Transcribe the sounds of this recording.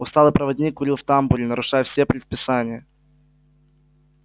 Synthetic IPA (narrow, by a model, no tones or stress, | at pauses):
ʊst̪alˠɨjpɾəvɐdʲnʲikːʊɾʲilˠft̪ambulʲɪnəɾʊʂajəfsʲepɾʲɪt̪̚pʲɪsanʲɪjə